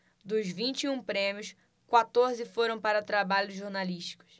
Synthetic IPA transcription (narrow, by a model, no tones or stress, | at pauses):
d̪ʊzvĩt͡ʃiũpɾẽmiʊs | kwat̪oɾzɪfoɾɐ̃w̃paɾɐt̪ɾabaʎʊzʒoɾnaliʃt͡ʃi̥kʊ̥s